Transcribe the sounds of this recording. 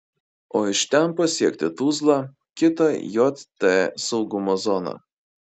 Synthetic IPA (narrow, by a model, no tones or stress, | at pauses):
oːɪʃt̪ʲɛnpɐsʲiɛkʲt̪ʲɪt̪uːzlˠɑˑ | kʲɪt̪ɐjɔt̪ʲt̪ːɛsɒʊɡʊmozɔnɑ̰